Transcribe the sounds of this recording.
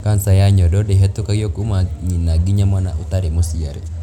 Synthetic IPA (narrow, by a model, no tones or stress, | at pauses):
kansajaɲɔdɔdɛɦɛt̪ukajɔkumaɲinaɡiɲamwana̰ʔut̪aɾɛmusiaɾɛ̰